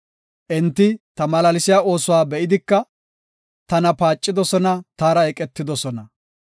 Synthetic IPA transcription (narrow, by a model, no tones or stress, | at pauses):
ʔɛnt̪ːɪt̪ɐmɐlɐlɪsɪjaːo̞ːsʊwaːbɛʔɪd̪ɪkːɐ | t̪ɐnɐpaːt͡ʃʼːɪd̪ɔsɔnɐt̪aːɾɐɛkʼɛt̪ːɪd̪ɔsɔnɐ